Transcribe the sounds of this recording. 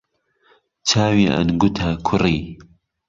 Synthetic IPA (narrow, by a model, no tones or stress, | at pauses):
t͡ʃʰaːwiːʔa̰nɡʊt̪ʰakʰʊriː